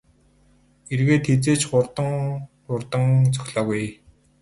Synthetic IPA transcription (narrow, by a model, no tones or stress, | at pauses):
erɣeːt̪ʰet͡seːt͡ɕχʊrt̪ə̆ŋ | ʊrt̪ə̆ŋt͡sɵ̥xʲɮɔːɣuj